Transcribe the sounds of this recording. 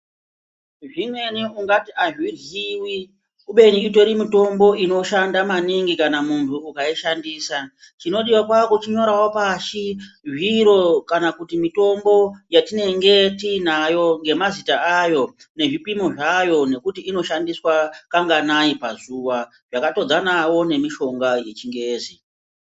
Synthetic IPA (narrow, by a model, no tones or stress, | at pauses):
ʐimwe̞niuŋɡatiaʐwiriːwi | uɓe̞niito̞ɾimito̞mbo̞ʔino̞ʃandamaniŋɡikanamuntʰuːkaiʃandiːsa | t͡ʃino̞ɗiwakwakot͡ʃiɲo̞ɾawopaʃiʐiɾo̞kanakutimito̞mbo̞jatine̞ŋɡe̞tiːnajo̞ŋɡe̞mazitaajo̞ | ne̞ʐipimoʐajo̞ne̞kutiino̞ʃandiswakaŋɡanaipazuːʋa | ʐakato̞d͡zanawo̞ne̞miʃo̞ŋɡaje̞t͡ʃiŋɡeːzi